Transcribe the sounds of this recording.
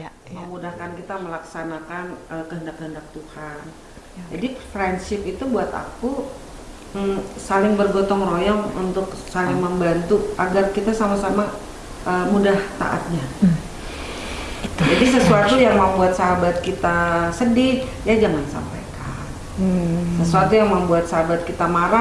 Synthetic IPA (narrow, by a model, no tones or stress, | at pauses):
məmudahkankit̪aməlaksanakanəkəɦəndakːəɦəndak̚t̪uhan | d͡ʒadifrɛndsɪpit̪ubuat̪a̰ku | salɪŋbərɡot̪ɔŋrojɔŋṵnt̪ʊksalɪŋməmbant̪uaɡarkit̪asamasama | ʔəmudaht̪a̰ʔa̰t̪̚ɲa | d͡ʒadis̬əsuat̪ujaŋməmbuat̪saɦabat̪̚kit̪asədɪh | jad͡ʒaŋansa̰mpa̰jka | n | səsuat̪ujaŋməmbuat̪̚saɦabat̪̚kit̪amaɾa